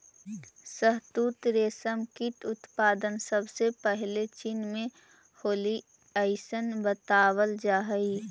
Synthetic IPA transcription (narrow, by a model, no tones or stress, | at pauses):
səɦt̪uːt̪ɾeːsəmkiʈʊt̪paːd̪ənsəbsepəɦlet͡ʃinmẽ | hoːli | əɪsənbət̪aːwəld͡ʒaːɦəi